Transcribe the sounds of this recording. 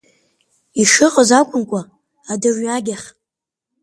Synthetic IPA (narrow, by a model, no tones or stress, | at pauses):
iʂɨqʼəzakʷʼʊnkʷʼa | adɨrɥaɡʲaχ